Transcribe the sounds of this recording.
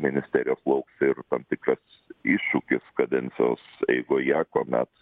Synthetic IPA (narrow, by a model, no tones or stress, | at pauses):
mʲɪnʲɪsʲt̪ʲæːɾʲɪjoːslˠɐʊksɪɾt̪ɐmt̪ʲɪkɾɐs | iːʃʃʊkʲɪskɐd̪ʲɛnʲt̪sʲɪjo̰ːsɛ̰ɪɡʊjæːkoːmʲɛ̰t̪